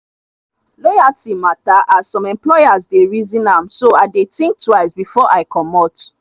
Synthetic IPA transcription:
lɔjatimataʔazsɔ̃mɛ̃mplɔjazdeɹizĩnãmsoaɪdetĩŋk̚twaɪsbifɔʔaɪkʰɔmɔt

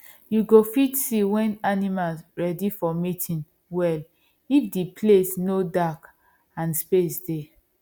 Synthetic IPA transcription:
juɡofitsiwɛ̃nanimalsɹɛdifɔmitʰĩn | wɛl | ifdipʰlesnodak | ãnspesde

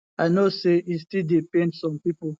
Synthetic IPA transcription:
aɪnoseistidepẽndsɔ̃mpipo

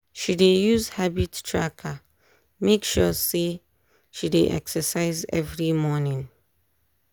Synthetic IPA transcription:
ʃidejuzhabittʰɹakʰa | mekʃɔse | ʃidḛʔɛ̰ksəsaɪzɛ̰vɹimɔnĩŋ

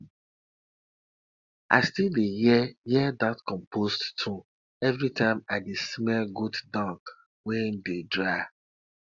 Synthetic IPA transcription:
ʔa̰ɪstildejɛjɛdatkɔ̃mpʰosttʰu | ɛvɹitʰãɪ̃madesimɛlɡuddɔ̃ŋk | wɛ̃ndedɹaɪ

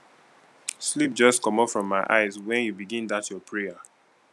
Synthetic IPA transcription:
slip̚d͡ʒʌstkɔ̃mɔpfɹɔ̃mːaɪʔa̰ɪzwɛ̃njubiɡĩndatjɔpʰɹɛa

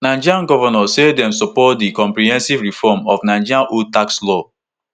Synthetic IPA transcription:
nãɪ̃nd͡ʒiãnɡɔvɔnɔsedɛ̃msɔpɔtdikɔ̃mpɾiɦɛ̃nsivɹifɔmɔfnãnd͡ʒiɾãnʔutakslɔ

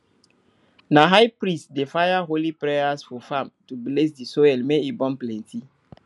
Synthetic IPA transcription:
naɦajpɾĩstdefajaɦolipɹɛjasfɔfãmtubles̬disɔɛlmeibɔ̃mplɛ̃nti

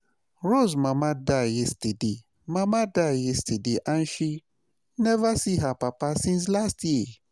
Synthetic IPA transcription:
ɾos̬mãmãdajɛstade | mãmãdaɪjɛstʰadeʔãn̩ʃi | nɛvasiɦapapasĩns̬lastji

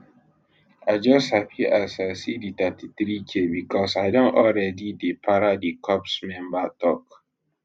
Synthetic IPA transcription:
ad͡ʒɔshapiʔasasiditatiθɾikʰebikʰɔsaɪdɔ̃nʔɔlɹɛdidepʰaɾadikʰɔpsmɛ̃mbatɔk

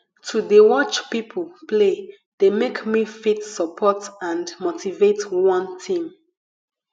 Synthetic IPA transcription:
tʰudewɔt͡ʃpipʰəl̩ple | d̥emekmifitsəpʰɔtãndmotʰivetwɔ̃ntʰĩm

